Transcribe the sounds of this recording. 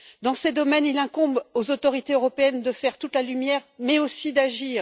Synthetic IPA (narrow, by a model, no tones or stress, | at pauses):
d̪ɑ̃sed̪ɔmɛnilɛ̃kɔ̃bozot̪ɔʁit̪eøʁɔpeɛnd̪əfɛʁt̪ut̪lalymjɛʁmɛosid̪aʒiːʁ